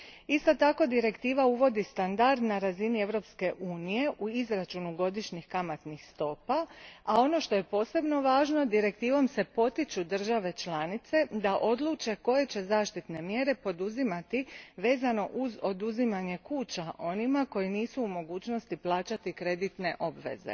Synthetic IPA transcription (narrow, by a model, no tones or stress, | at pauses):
ist̪o̞t̪ako̞d̪iɾe̞kt̪iːʋauʋo̞d̪ist̪and̪aɾd̪naɾazinie̞ʋɾo̞pske̞ʔuːnije̞ʔuizɾat͡ʃunuɡo̞d̪iʃɲixkamat̪nixst̪o̞ːpaao̞no̞ʃt̪o̞je̞po̞ːse̞bno̞ʋaːʒno̞d̪iɾe̞k̚t̪iːʋo̞mse̞po̞t̪it͡ʃud̪r̩ʒaʋe̞t͡ʃlaːnit̪se̞d̪aʔo̞d̪lˠuːt͡ʃe̞ko̞je̞t͡ɕe̞zaːʃt̪it̪ne̞mje̞ɾe̞po̞d̪uzimat̪iʋe̞ːzano̞ʔuzo̞d̪uzimaɲe̞kuːt͡ɕaʔo̞nimako̞jiniːsuːmo̞ɡuːt͡ɕno̞st̪iplˠaːt͡ʃat̪ikɾe̞d̪it̪ne̞ʔo̞bʋe̞̰zḛ